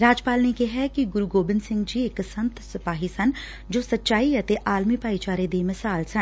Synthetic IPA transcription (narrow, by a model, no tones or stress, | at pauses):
ɾaːd͡ʒpaːlnekeɦɛkiɡʊɾuɡoːbɪnsɪ̃ŋɡd͡ʒieksɐ̃nt̪sɪpaːɦisɐn | d͡ʒoːsɐtːʃaːiɐt̪eʔaːlmipaːit͡ʃaːɾed̪emɪsaːlsɐn